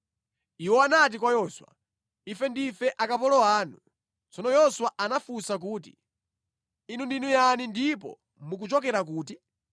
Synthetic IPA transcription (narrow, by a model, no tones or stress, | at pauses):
iwɔanat̬ikwajɔːswa̰ | ifɛndifɛʔakapɔlɔaːnu | t͡sɔnɔjɔswaʔanafusak̬uːtḭ | inundinujanindipɔ̰ | muk̬ut͡ʃɔkɛɾak̬uːti